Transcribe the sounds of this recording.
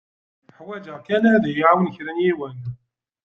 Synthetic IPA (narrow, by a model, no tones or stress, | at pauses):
ħwæd͡ʒəʁkænæðijʕawənçɾənjiwən